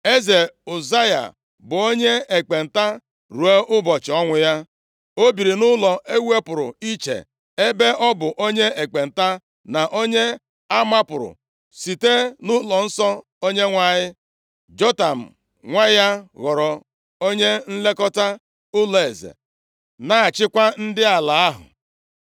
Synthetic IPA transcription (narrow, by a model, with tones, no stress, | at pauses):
e˦ze˨u˨za˦ja̰˨ | bʊ˨o˦ɲe˦e˨k͡pe˨n̩˨ta˦ | ɾu˨e˦ʔʊ˦bɔ˨t͡ʃɪ˨ɔ˦ŋʷʊ˨ja˦ | o˦bi˨ɾi˨nʊ˦lɔ˨ʔe˦we˦pʊ˨ɾʊ̰˨i˦t͡ʃḛ˨ | e˦be˦ʔɔ˦bʊ˨ʔo˦ɲe˦e˨k͡pe˨n̩˨ta˦ | na˨ʔo˦ɲe˦ | a˦ma˦pʊ˨ɾʊ̰˨ | si˨te˦nʊ˦lɔ˨n̩˦sɔ˦ | o˦ɲe˦ŋʷa˦ɲɪ˦ | d͡ʒɔ˦ta˨m̩˨ | ŋʷa˦ja˦ɣɔ˨ɾɔ˨ | o˦ɲe˦n̩˦le˦kɔ˦ta˦ | ʊ˦le˨zḛ˨ | na˨a˨t͡ʃɪ˦kʷa˦n̩˦dɪ˦a˨la˨a˦ɦʊ̰˨